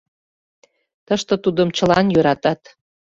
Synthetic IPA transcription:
t̪əʃt̪ə̆t̪ud̪əmt͡ɕəlɑnjøɾɑt̪ɑt̪

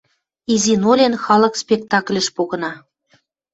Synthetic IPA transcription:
izinolʲenxɑlɤ̆kspʲek̚t̪ɑklʲə̆ʃpoɣɤ̆nɑ

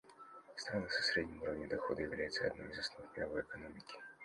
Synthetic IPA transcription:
st̪ɾanɨsɐ̥sɾʲedʲnʲɪmuɾəvnʲɪd̪ɐxo̞̰d̪əjɪvlʲæjɪt̪səɐ̰d̪no̰mɪzɐsnvɨxmʲɪɾɐvo̞jɛkɐno̞mʲɪkʲɪ̥

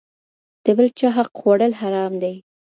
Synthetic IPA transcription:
d̪̥əbəlt͡ʃɑɦaqxwaɽəlɦaɾɑmd̪aj

